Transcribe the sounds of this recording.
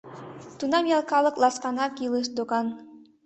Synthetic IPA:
t̪unɑmjɑlˠkɑlˠɤ̆klˠɑskɑnɑkjilˠəʃd̪oɣɑn

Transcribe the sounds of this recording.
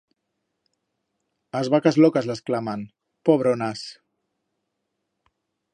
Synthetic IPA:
azβakazlɔkazləsklaman | poβɾonas

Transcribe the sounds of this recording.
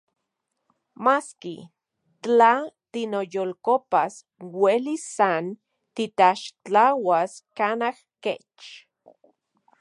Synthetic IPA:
maskḭ | t͡ɬat̪inojolkopas | welisːan | t̪it̪aʃt͡ɬawaskanahket͡ʃ

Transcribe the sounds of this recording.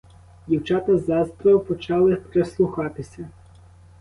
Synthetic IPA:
dʲiwt͡ʃɑt̪ɐzɑst̪ɾɔjpɔt͡ʃɑlˠɪpɾeslˠuxɑt̪ɪsʲɐ

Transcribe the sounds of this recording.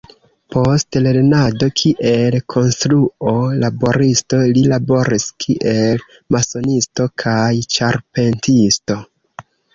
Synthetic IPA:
pʰo̞stle̞ɾnado̞kʰiʔe̞lkʰo̞nstɾuo̞labo̞ɾisto̞lilabo̞ɾiskʰiʔe̞l | maso̞nisto̞kʰajt͡ʃaɾpe̞ntisto̞

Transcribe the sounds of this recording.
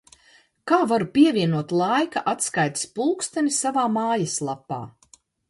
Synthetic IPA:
kaːvaɾupʲiɛvʲiɛnuɔt̪lˠajkaʔat̪skajt̪i̥spulˠkst̪anisavaːmaːjaslˠapːa̰ː

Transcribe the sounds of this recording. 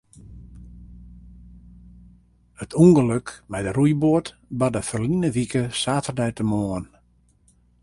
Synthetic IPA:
ətʰuŋɡəløkmɛjdərujbʊət | bɔdəfərlinəʋikəsaːtərdɛjtəmoən

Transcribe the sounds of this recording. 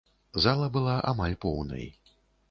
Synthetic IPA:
zalˠɐbɨlˠaʔa̰malʲpɔwnɐ̰j

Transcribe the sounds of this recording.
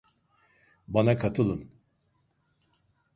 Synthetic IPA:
banakʰat̪ʰɯlˠɯn

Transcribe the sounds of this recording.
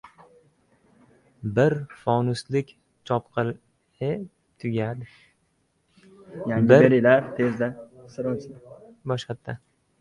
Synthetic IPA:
bɪɾfɒnʊslɪkʲ | t͡ʃʰɒpqʰɨlˠ | ɪ | t̪ʰʊɡʲad̪ɪ | jaɪɾeɾɪlaɾt̪ʰezd̪asɪɾɒnt͡ʃʰɪd̪a | bɒʃχat̪ʰːa

